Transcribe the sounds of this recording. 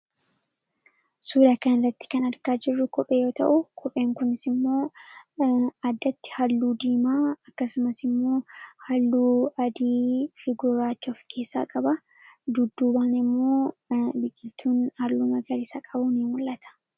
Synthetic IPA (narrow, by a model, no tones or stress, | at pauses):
suːd̪ɐkɐnɪrːɐt̪ːɪ̥kɐnɐɾkaːd͡ʒɪrːʊkɔpʼeːjo̞ːt̪ɐ̰ʔʊkʰɔpʼe̞ːŋkʊnɪsɪmːo̞ː | ɐd̪ːɐt̪ːɪ̥hɐlːuːd̪iːmaːɐkːɐsʊmɐsɪmːo̞ːhɐlːuːɐd̪iːfɪɡʊɾaːt͡ʃːɔfkʰe̞ːsːa̰ːkʼɐbɐ | d̪ʊd̪ːuːbaːnɪmːo̞ːbɪkʼːɪlt̪ʰuːnhɐlːuːmɐɡɐɾɪsɐkʼɐbʊniːmwʊlːɐt̪ʰɐ̥